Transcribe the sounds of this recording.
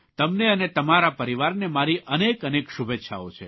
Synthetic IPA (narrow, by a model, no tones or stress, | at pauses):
t̪əmneənet̪əmaɾapəɾiʋaɾnemaɾiʔənekənekʃubʱetːʃʰa̰o̰t͡ʃʰḛ